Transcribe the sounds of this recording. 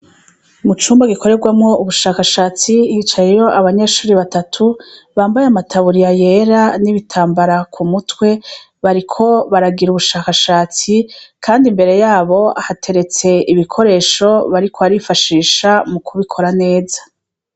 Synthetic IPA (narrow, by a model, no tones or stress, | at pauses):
mut͡ʃuːmbaɡikʰo̞ɾe̞ɡwamŋo̞uβuʃaːkaʃaːt͡sijiːt͡ʃajejo̞ʔaβaɲe̞ːʃuːɾiβatatʰu | βaːmbajeamatʰaβuɾijaje̞ɾaniβitʰaːmbaɾakʰumutwe̞ | βaɾikʰo̞βaɾaɡiɾuβuʃaːkaʃaːt͡sikʰaːndimbe̞ɾe̞jaːβo̞a̰hatʰe̞ɾe̞t͡se̞ʔiβikʰo̞ɾe̞ːʃo̞βaɾikʰoaɾifaʃiːʃamukʰuβikʰo̞ɾane̞ːzḁ